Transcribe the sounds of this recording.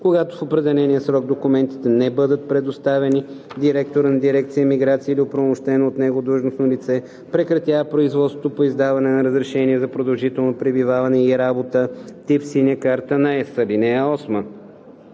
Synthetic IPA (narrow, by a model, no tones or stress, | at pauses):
koɡat̪o̥fopɾɛd̪ɛlɛnijəsɾɔɡ̚d̪okʊmɛnt̪i̥t̪ɛnɛbɤd̪ət̪̚pɾɛd̪ost̪avɛni | d̪iɾɛk̚t̪oɾənɐd̪iɾɛk̚t̪sijəmiɡɾat̪siəilʲiopɾomʊʃt̪ɛnoːt̪nɛɡod̪uʒnosnolit̪sɛ | pɾɛkɾɐt̪javəpɾoizvɔt̪sot̪opoizd̪avɐnɛnɐɾəzɾɛʃɛniɛzɐpɾod̪ɐlˠʒit̪ɛlˠnopɾɛbivavɐnɛiɾabot̪ət̪ifsinʲəkaɾt̪ənɐɛsəlinɛəɔsmə